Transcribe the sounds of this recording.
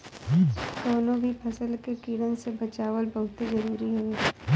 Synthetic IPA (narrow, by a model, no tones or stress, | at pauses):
d̪oːnõbʱipʰɐsəlkekiːɽənsebɐt͡ʃaːʋəlbɐɦʊt̪izɐɾuːɾiɦɛ